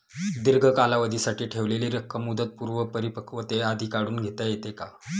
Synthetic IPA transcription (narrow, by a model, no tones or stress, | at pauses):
d̪iɾɡʱəkalaʋəd̪ʱisaʈiːʈʰeʋleliːɾəkʰːəmːud̪ət̪̚puɾʋəpəɾipəkʰʋət̪ead̪ʱiːkaɽuːnɡʱet̪ajet̪eka